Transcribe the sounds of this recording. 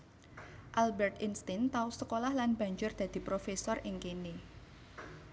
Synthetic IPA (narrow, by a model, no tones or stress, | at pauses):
ʔalbɛrt̪inst̪ɪnt̪ausəkolahlanb̥a̤ɲd͡ʒʊrd̪̥a̤d̪̥i̤pɾofesɔrɪŋkini